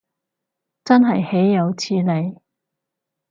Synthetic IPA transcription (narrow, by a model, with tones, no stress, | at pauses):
t͡sɐ˥nɦɐ˨jhe˨˥jːɐ˨˧wt͡sʰiː˧le˨˧j